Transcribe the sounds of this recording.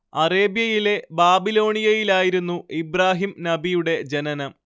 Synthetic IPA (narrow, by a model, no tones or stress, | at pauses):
ɐre̞ːbjɐjile̞baːbilo̞ːɳijɐjilaːjiɾunːuibraːɦimnɐbijuɽe̞d͡ʑenɐnɐm